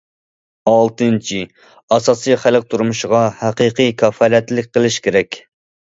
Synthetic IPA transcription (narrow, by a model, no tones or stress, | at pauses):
ɑlˠt̪ɨnt͡ʃʰi | ɑsɑːsɨjχælq̚t̪ʰuɾumuʃʁɑhæqiqʰijkʲʰɑfɑlɛt̪lɪk̚ʲqəlˠɪʃkʲʰeɾɛkʲ